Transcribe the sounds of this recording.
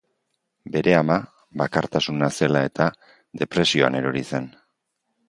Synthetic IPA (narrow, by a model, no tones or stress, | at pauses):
be̞ɾe̞ama | βakaɾt̪asunase̞lae̞t̪a | ðe̞pɾe̞sio̞a̰ne̞ɾo̞ɾise̞n